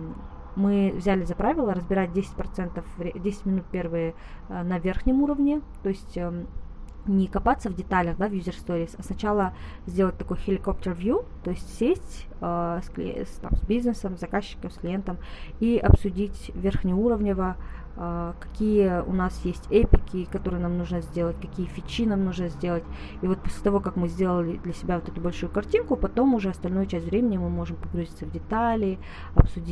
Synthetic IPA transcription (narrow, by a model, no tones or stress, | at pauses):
mɨvzʲælʲɪzɐpɾavʲɪlˠəɾəzbʲɪɾat̚ʲdʲesʲɪ̥t̚ʲpɾɐt̪sɛnt̪əfvɾʲdʲesʲɪ̥tʲmʲɪnut̪̚pʲe̞rvɨjə | nɐvʲerxnʲɪmuɾəvnʲɪt̪oɪsʲtʲə | nʲɪkɐpat̪səvdʲɪt̪alʲəxd̪avjuzʲɪrst̪oɾʲɪsɐsnɐt͡ɕalˠə | zʲdʲe̞lˠət̚ʲt̪ɐko̞jxʲɪlʲɪkop̚t̪ərvʲjut̪o̞ɪsʲtʲsʲesʲtʲ | əsklʲst̪a̰msbʲiznɨsəmzɐkaɕːɪ̥kəmsklʲɪjent̪əmiʔɐpsʊdʲitʲvʲerxnʲɪuɾəvnʲɪvə | kɐ̥kʲijəʊ̰nasjesʲtʲɛpʲɪkʲɪkɐt̪o̞ɾɨjənamnuʐnəzʲdʲe̞lˠətʲkɐkʲijəfʲɪt͡ɕːinamnuʐnəzʲdʲelˠətʲ | ivo̞t̪̚posʲlʲɪ̥t̪ɐvo̞kakmɨzʲdʲe̞lˠəlʲɪd̪lʲəsʲɪbʲavo̞t̪ɛt̪ʊbɐlʲʂujʊkɐrtʲinkʊpɐt̪o̞mʊʐɛɐst̪ɐlʲnojʊt͡ɕæsʲtʲvɾʲemʲɪnʲɪmɨmo̞ʐɨmpɐɡɾʊzʲit̪səvdʲɪt̪alʲɪ | ɐpsʊdʲi